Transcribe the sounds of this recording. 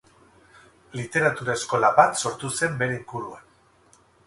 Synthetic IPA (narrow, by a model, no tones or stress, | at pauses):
lit̪e̞ɾat̪uɾae̞sko̞laβat̪so̞ɾt̪use̞mbe̞ɾe̞iŋɡuɾuan